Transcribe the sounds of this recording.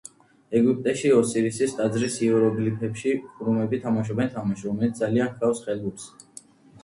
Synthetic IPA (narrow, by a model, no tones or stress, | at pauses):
ɛɡup̚ʼt̪ʼɛʃiɔsiɾisist̪ʼad̪zɾisɛvɾɔɡlipʰɛpʃiχɾumɛbit̪ʰamaʃ̬ɔbɛnt̪ʰamaʃɔɾɔmɛlit̪sd̪aliankʰafsχɛlɡuɾs